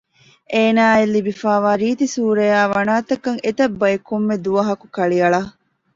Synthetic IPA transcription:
ʔeːnaːelːibifaːʋaːɾiːt̪isuːɾejaːʋɐnaːt̪ɐkɐŋet̪ɐbːɐekumːed̪uʋɐɦɐkukɐɭiɐɭɐ

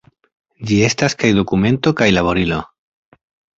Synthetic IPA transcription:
d͡ʒie̞staskajdo̞kume̞nto̞kajlaβo̞ɾilo̞

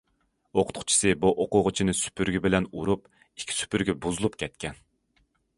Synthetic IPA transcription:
oqʰʊ̥t̪̚qʰʊ̥t͡ʃʰi̥sɨbuʔoqʊʁʊt͡ʃʰinɨsy̥pʰyɾɡʲɛbɪlɛnuɾup | i̥kʲʰːi̥sy̥pyɾɡʲɛbuzɨlˠupkʲʰɛt̪̚kʲʰɛn

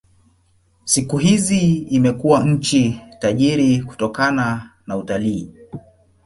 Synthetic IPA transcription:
sikuɦiziimɛkuwaɲ̩t͡ʃitaʄiɾiku̥tɔkananautaliː

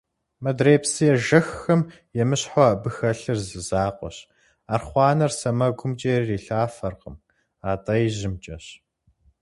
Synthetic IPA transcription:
mɐdreːpsɨjɛʒɐxːɐm | jɛmɨɕħɔɐbɨxɐɬɨrzɨzaːqʷʼɔ̰ɕ | aːrχʷɑːnɐrsɐmɐɡʷʊmt͡ʃʼeːrriːɬaːfɐrqəm | aːtʼɐjʑɪmt͡ʃʼɐɕ

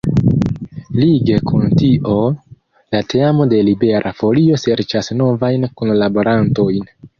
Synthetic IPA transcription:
liɡe̞kuntiʔo̞ | late̞amo̞de̞libe̞ɾʔafo̞lio̞se̞ɾt͡ʃasno̞vajnkunlabo̞ɾanto̞jn

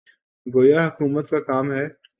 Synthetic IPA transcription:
ɡoːjaɦɐkuːmət̪kakaːmɦɛː

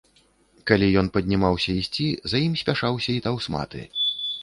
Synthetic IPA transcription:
kalʲijɔnpɐd̪ʲnʲimawsʲɐisʲt͡sʲizajimsʲpʲaʂawsʲɐit̪awsma̰t̪ɨ̰

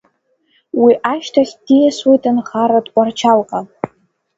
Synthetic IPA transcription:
wiʔaʃtʰaχʲd̥ijaswejtʰʼanχaɾadkʷʼart͡ʃʰalqʼa

